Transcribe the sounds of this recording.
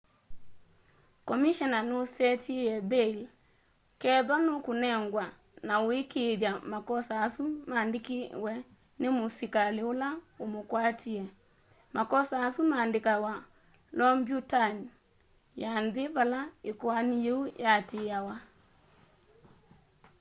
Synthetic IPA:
kɔmiʃɔnanosɛtijɛbel | kɛðwanokunɛŋɡwa | naoekeðamakɔsaːsumaːndɪkiwɛ | nemosikaleolaomokwatiɛ | makɔsaːsumaːndɪkawa | lɔmbjutan | janðɪβalaekɔanijeujatejawa

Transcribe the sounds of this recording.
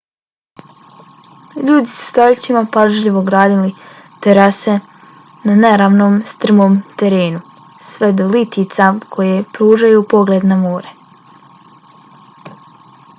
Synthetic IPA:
ʎuːd̪isu̥t̪aʎt͡ɕimapaʒʎiʋoɡɾaːd̪ili | t̪eɾase | naneɾaːʋno̞ːmst̪r̩moːmt̪eɾeːnu | sʋe̞d̪olit̪it̪sakʰo̞jepɾuːʒajupo̞ɡle̞d̪namoːɾe

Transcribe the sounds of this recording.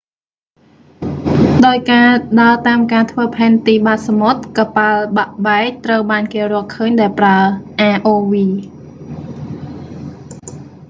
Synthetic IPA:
ɗaɔjkaːɗaət̪aːmkaːt̪ʰʋəːpʰaɛnt̪iːɓaːt̪̚samot̪̚kapalɓaʔɓaɛk̚t̪rəwɓaːnkeːrʊ̆əlkʰəːɲɗaɛlpraəʔaːʔoːʋiː

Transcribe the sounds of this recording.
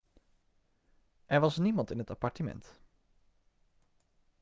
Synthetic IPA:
ʔɛɹʋɑsnimɑntɪnɦətapɑɹtəmɛ̰nt

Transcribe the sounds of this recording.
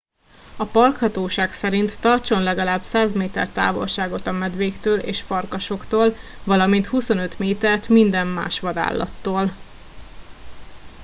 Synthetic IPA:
ɒpɒrkhɒt̪oːʃaːksɛɾint̪ːɒrt͡ʃo̞nlɛɡɒlaːbsaːzmeːt̪ɛ̰rt̪a̰ːvo̞̰lʃaːɡo̞t̪ɒmɛd̪ʋeːkt̪øːlḛːʃfɒrkɒʃo̞kt̪oːlvɒlɒmint̪huso̞nøt̪meːt̪ɛrt̪mind̪ɛmːa̰ːʃʋɒd̪a̰ːlːɒ̰t̪ːoːl

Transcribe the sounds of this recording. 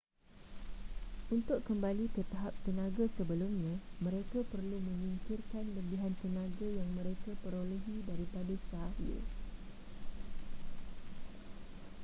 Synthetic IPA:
ʔunt̪ʊʔkəmbalikət̪aɦap̚t̪ənãɡasəbəlʊmɲãmə̃ɾekapərlumə̃mĩŋkirkanləbiɦant̪ənãɡajaŋmə̃ɾekapəɾoleɦidaɾipadat͡ʃaɾə̰

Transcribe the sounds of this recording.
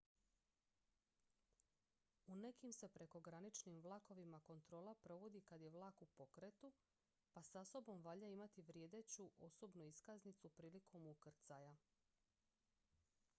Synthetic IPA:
une̞kimse̞pɾe̞ko̞ɡɾanit͡ʃnimʋlˠako̞ʋimako̞nt̪ɾo̞ːlˠapɾo̞ʋo̞d̪ikad̪je̞ʋlˠaːkupo̞kɾet̪u | pasaso̞bo̞mʋaʎaimat̪iʋɾje̞ːd̪e̞t͡ɕuʔo̞sobnuiskaznit̪supɾiːlikʰo̞mukr̩t̪saja

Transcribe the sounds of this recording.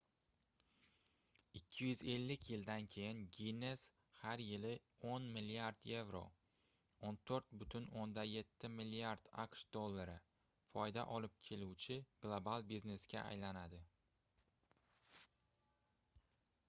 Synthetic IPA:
ɪkʲʰːɪjʏze̞lːɪkʲʰjɪld̪ankʲʰe̞jɪnɡʲine̞s | haɾjɪlɪ | onmɪlːiaɾd̪je̞vɾo̰ | ont̪ʰoɾt̪̚bʊt̪ʰʊnond̪aje̞t̪ʰːɪmɪlːiaɾd̪̥a̰qʃd̪o̞lˠːaɾɪ | fɒjd̪a̰ʔɒlɪp̚kʲʰe̞luwt͡ʃʰɪɡ̥lˠobalˠbizne̞sɡʲa̰ʔa̰jlanad̪ɪ

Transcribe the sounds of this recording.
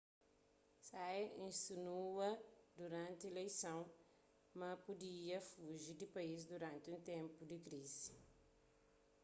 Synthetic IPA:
sajẽsinuɐd̪uɾãnt̪elejsɐ̃w̃ | mɐpud̪iɐfuʒid̪ipɐiz̬d̪uɾãnt̪ũnt̪ẽmpud̪ikɾizi̥

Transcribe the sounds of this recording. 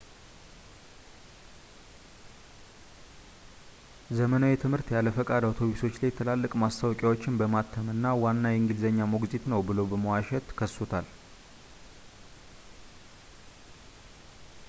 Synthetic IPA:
zəmənawjɛt̪ʰɨmhɨɾt̪jalːəfəkʼad̪aot̪ʰo̞βiso̞t͡ʃːlajt̪ʰəlalːəkʼmast̪ʰawkʼjawo̞t͡ʃːɪnbəmat̪ʰːəmɨnːawanːajɛŋɡilzəɲːamoɡzit̪nəwbɨləwbəməwaʃɛt̪kʰəsːot̪ʰal

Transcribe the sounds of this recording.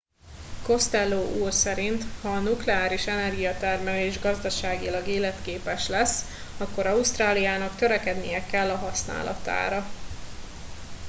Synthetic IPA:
ko̞st̪ɛlːoːʔuːrsɛɾint̪hɒːnuklɛaːɾiʃɛnɛrɡijɒt̪ɛrmɛleːʒɡɒzd̪ɒʃaːɡilɒɡeːlɛt̪keːpɛʃlɛsː | ɒkːo̞ɾɒust̪raːlijaːnɒkt̪øɾɛkɛd̪nijɛkɛlːɒɦɒsna̰ːlʔɒ̰t̪a̰ːɾɒ

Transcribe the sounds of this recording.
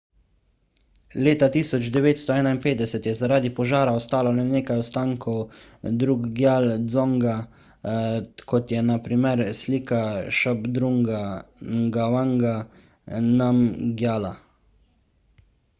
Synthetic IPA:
leːt̪at̪iːsɔd͡ʒd̪ɛʋeːt̪st̪ɔɛːnainpeːd̪ɛsɛt̪jɛzaɾaːd̪ipɔʒaːɾaɔst̪aːlalɛneːkajɔst̪aːŋkʰɔw | d̪ɾuɡɡjaːld̪zɔŋɡa | kɔt̪jɛnapɾimɛɾsliːkaʃabd̪ɾuŋɡaŋɡawaŋɡa | namɡjaːla

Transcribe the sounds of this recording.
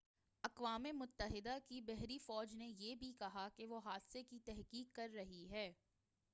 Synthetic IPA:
ɐqʋaːmemʊt̪ːəɦɪd̪akibɛɦɾifɔːd͡ʒnejebʱikɐɦakeʋoɦaːd̪sekit̪ɛɦkiːkːɐɾːɐɦiɦɛː

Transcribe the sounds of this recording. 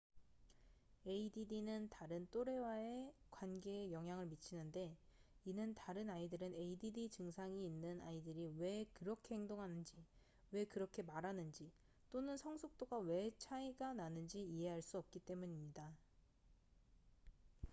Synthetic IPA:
e̞ididinɯntaɾɯnt͈oɾe̞wae̞kwanɡe̞ːjʌŋɦjaŋɯɭmit͡ɕʰinɯnde̞inɯntaɾɯnaidɯɾɯne̞ididit͡ɕɯŋsʰaŋiːnːɯnaidɯɾiwe̞kɯɾʌkʰe̞he̞ŋdoŋɦanɯnd͡ʑi | we̞kɯɾʌkʰe̞maɾanɯnd͡ʑi | t͈onɯnsʰʌŋsʰok̚t͈oɡawe̞t͡ɕʰaiɡananɯnd͡ʑiiɦe̞ɦaɭs͈uʌp̚k͈it͈e̞muɲimɲida

